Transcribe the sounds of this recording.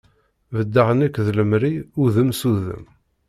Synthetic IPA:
vəd̪ːaʁənækːðləmɾiuðəmsuðə̰m

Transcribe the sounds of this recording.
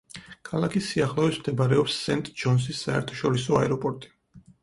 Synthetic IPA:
kʰalˠakʰisːiaχlˠɔɛsmd̪ɛbaɾɛɔpsːɛnt̪ʼd͡ʒɔns̬isːaɛ̰ɾt̪ʰɔ̥ʃɔɾisɔaɛɾɔpʼɔɾt̪ʼi̥

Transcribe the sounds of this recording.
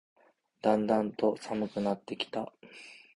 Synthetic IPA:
d̪̥ãnd̪ãnt̪o̞samɯ̟kɯ̟nat̪ːe̞kʲi̥t̪a

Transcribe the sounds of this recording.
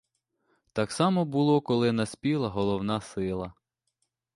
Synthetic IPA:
t̪ɑksɑmɔbʊlˠɔkɔlˠɪnɐsʲpʲilˠɐɦɔlˠɔwnɑsɪlˠɐ

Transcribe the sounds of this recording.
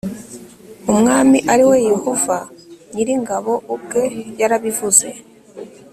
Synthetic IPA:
umŋaːmiʔaɾiwe̞jehovaɲiɾiŋɡaβo̞ʔub̚ɡe̞jaɾaβivuze̞

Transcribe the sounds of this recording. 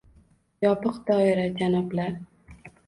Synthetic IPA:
jɒpɨqd̪ɒɪɾad͡ʒanɒblaɾ

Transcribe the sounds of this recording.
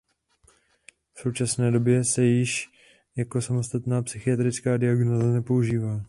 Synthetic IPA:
fso̞wt͡ʃasnɛːdo̞bjɛsɛjɪʃ | jako̞samo̞st̪at̪naːpsɪxɪat̪ɾɪt͡skaːdɪaɡnoːzanɛpo̞uʒiːvaː

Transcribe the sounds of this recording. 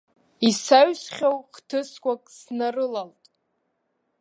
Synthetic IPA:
isaɥsχʲowqtʰɨskʷakʼsnarɨlaltʼ

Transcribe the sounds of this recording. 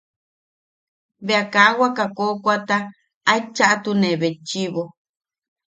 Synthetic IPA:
βeakawakakokʷat̪aː | it͡ʃaʔat̪unẽβet͡ʃiβo

